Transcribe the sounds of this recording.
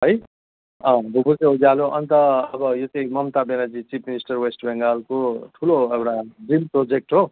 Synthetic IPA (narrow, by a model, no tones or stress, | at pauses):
ɦʌj | ʌ̃bʱubuseɦod͡zaloʔʌnt̪ʌʌbʌjot͡saĩmʌmt̪abenad͡zit͡sipʰminisʈʌrwesʈbeŋɡalkoʈʰuloewʈad͡zimprod͡zek̚ʈɦo